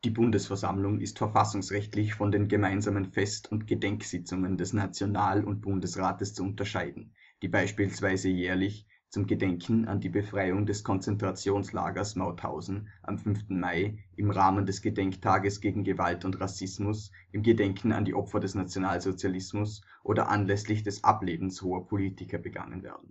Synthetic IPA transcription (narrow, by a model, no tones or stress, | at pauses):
d̥iːbʊndəsfɛɐza̰mlʊŋɪ̰stfɛɐfasʊŋsʁɛçtlɪçfɔndeːnɡəmaɪnzaːmənfɛstʰʊntɡ̥ədɛŋksɪt͡sʊŋəndɛsnat͡sjonaːlʊ̰nt̚b̥ʊndəsʁaːtəst͡suʊntɐʃaɪdn̩ | d̥iːbaɪʃpiːlsv̥aɪzəjɛːɐlɪç | t͡sʊmɡədɛŋkʰn̩a̰ndiːbəfʁ̥aɪʊŋdɛskʰɔnt͡sɛntʁ̥at͡sjoːnsla̰ːɡɐsmaʊtha̰ʊzn̩ʔa̰mfʏnftn̩maɪʔɪmʁaːməndɛsɡ̥ədɛŋktʰaːɡəsɡ̥eːɡŋ̩ɡəvaltʊntʁasɪsmʊs | ʔɪmɡədɛŋkʰn̩a̰ndḭːʔɔpfɐdɛsnat͡sjonaːlzot͡sjalɪsmʊs | ʔoːdɐ̰ʔa̰nlɛslɪçd̥ɛsʔa̰pleːbm̩shoːɐpʰoliːtɪkɐbəɡa̰ŋə̰nvɛ̰ːɐdn̩